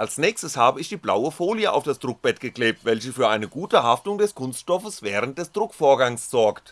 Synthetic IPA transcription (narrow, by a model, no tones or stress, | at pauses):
ʔalsnɛːçstəshaːbəɪçd̥iːbla̰ʊəfoːliəʔa̰ʊfd̥asd̥ʁʊk̚b̥ɛtɡ̥əklɛːp̚tvɛlçəfyːɐʔaɪnəɡuːtəɦaftʊŋdɛskʰʊnstʃtɔfəsv̥ɛːʁ̞ənt̚d̥ɛsd̥ʁʊkfoːɐɡaŋsz̥ɔɐkt